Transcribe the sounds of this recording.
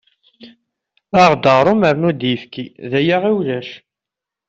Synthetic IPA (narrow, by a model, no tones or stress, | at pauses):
aʁd̪əʁɾˤuməɾnud̪jəfkiðæjaʁiwlæʃ